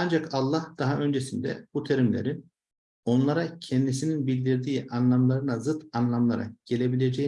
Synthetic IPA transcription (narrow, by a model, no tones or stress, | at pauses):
and͡ʒakʰalˠːahd̪̥aɦaʔø̞nd͡ʒe̞sind̪ɛ̰b̥ut̪ʰe̞ɾimlʲḛɾin | o̞nlˠaɾacʰɛnd̪isininbilʲd̪iɾd̪iːʔanlˠamlˠaɾɯnazɯt̪anlˠamlˠaɾa̰ɟ̥e̞lʲe̞bilʲe̞d͡ʒej